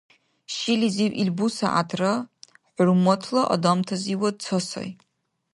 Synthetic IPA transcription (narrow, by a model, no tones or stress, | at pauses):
ʃiliziʕʔilbusa̰ʔatʰrɨ | ħʷʊrmotʰlaʔa̰damtʰaziwad̚t͡sʷʰosa̰j